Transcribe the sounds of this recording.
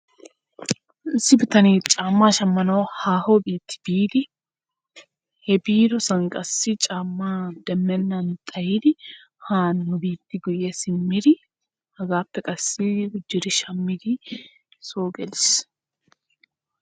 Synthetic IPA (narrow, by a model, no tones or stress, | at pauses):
ɪsːɪbɪt̪ɐneːt͡ʃʼaːmːaːʃɐmːɐnɐwhaːhobiːt̪ːɪ̥b̥iːd̪ɪ | hɛbiːɾɔsɐŋkʼɐsːɪt͡ʃʼaːmːaːd̪̥ɛmːɛnːɐnt̪ʼɐjiːd̪ɪ | haːnːʊbiːt̪ːɪɡʊjɛsɪmːɪd̪ɪ | hɐɡaːpːɛkʼɐsːɪɡʊd͡ʒːɪɾɪʃɐmːɪd̪ɪ | soːɡɛlɪs